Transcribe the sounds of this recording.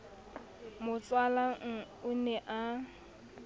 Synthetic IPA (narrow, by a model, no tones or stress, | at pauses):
mʊt͡sʼwala | ʊnɛʔa